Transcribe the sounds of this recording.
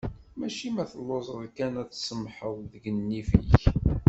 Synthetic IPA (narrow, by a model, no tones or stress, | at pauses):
mæʃimæθəlːozˤəðˤkænæt͡sːsəmħəððəɡənːifə̰ç